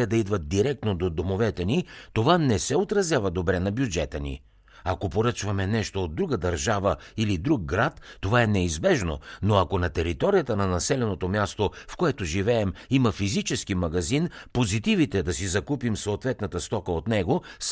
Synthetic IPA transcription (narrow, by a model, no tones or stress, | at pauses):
ɛd̪ɐid̪vət̪̚d̪iɾɛk̚t̪nod̪od̪omovɛt̪ɛnit̪ovanɛsɛot̪ɾɐzjavɐd̪obɾɛnɐbjud͡ʒɛt̪ənḭ | ɐkopoɾɤt͡ʃvɐmɛnɛʃt̪oːd̪̚ɾuɡəd̪ɐɾʒavəilid̪ɾuk̚ːɾat̪ːovaɛnɛizbɛʒno̰noɐkonɐt̪ɛɾit̪ɔɾijət̪ənɐnɐsɛlɛnot̪omjast̪ofkoɛt̪oʒivɛːmimɐfizit͡ʃɛskimɐɡɐzinpozit̪ivit̪ɛd̪ɐsizɐkupimsoːt̪vɛt̪nɐt̪əst̪ɔkəot̪nɛɡos